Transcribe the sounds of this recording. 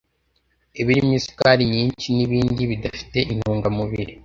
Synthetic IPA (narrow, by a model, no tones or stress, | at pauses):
eβiɾimɲisi̥kaɾiɲiːɲt͡ʃiniβiːndiβidafi̥te̞ʔin̥huːŋɡamuβiɾi